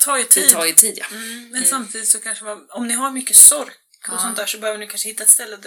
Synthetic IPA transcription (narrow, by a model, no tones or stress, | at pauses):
t̪ʰɑːjt̪ʰːt̪ʰɑːjɪt̪ʰiːd̪ja̰mɛnsamt̪ʰiːd̪ɪt̪sɔkʰanʂəmaɔmnɪɦaɾmʏkːəsɔɾk | ɔsɔnt̪d̪æːʂɔbɛhøːvəɳɪjkanʂəhɪt̪ːaɛt̪st̪ɛlːə